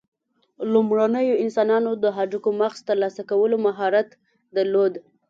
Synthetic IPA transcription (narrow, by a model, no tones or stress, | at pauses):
lumɽanəjoɪnsɑnɑnod̪əɦaɖukomaxz̥t̪əɾlɑsakawəlomaɦɑɾat̪ | d̪əlod̪